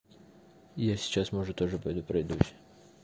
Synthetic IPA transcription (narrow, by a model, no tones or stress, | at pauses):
jasʲɪ̥t͡ɕasmoʐɨt̪oʐɨpɐjd̪upɾɐjd̪uɕʲɪ